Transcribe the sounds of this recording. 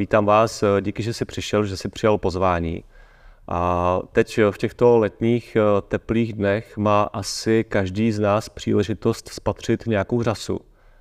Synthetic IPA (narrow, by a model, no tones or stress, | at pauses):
viːt̪aːmvaːsɟiːkɪʒɛsɪpr̥ɪʃɛlʒɛsɪpr̥ɪjalpo̞zvaːɲḭː | ʔat̪ɛcfcɛxt̪o̞lɛt̪ɲiːxt̪ɛpliːɣdnɛxmaːʔasɪkaʒdiːznaːspr̥ḭːlɛʒɪt̪o̞st̪spat̪r̝̥ɪt̪ɲɛjakowr̝asṵ